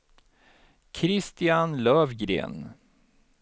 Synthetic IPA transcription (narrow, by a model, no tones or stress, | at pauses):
kʰɾɪst̪ɪanlœːvɡɾḛːn